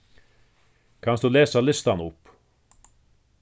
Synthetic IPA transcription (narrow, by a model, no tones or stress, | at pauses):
kʰansd̪ulɛːsalɪst̪anʊp